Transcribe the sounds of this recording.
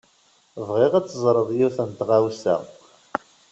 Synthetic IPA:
vʁɪʁæt͡sːəzˤɾˤəðˤjuθənt̪ʁawsæ̰ʁ

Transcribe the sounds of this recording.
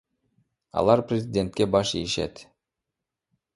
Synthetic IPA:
ɑ̰lˠɑɾprʲezʲɪdʲe̞nt̪̚kʲebɑʃieʃḛt̪

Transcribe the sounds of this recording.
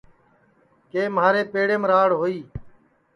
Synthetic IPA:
keːmɦaːɾeːpeːɽeːmɾaːɽɦoːiː

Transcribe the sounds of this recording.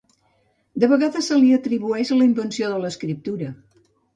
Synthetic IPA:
d̪əβəɣaðəsːəliət̪ɾiβuɛʒələimbənsioðələskɾip̚t̪uɾə

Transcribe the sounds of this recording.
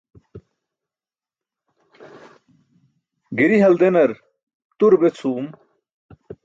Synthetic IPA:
ɡiɾiɦɐld̪enɐɾ | t̪uɾbet͡sʰuːm

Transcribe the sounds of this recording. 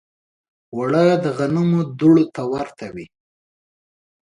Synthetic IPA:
waɽəd̪əɣanumod̪uɽot̪awaɾt̪awi

